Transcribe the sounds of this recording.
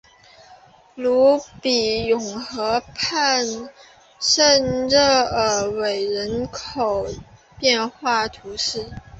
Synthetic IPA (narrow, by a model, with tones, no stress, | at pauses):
lu˧˥pi˨˩jʊ˨˩ŋxɤ˧˥pʰa˥˧n | ʂə˥˧nɻə˥˩ə˨˩we˨˩ɪɻə˧˥nkʰo˨˩ʊ | pjɛ˥˧nxwa˥˩t̪ʰu˧˥ʂɻ̩˥˩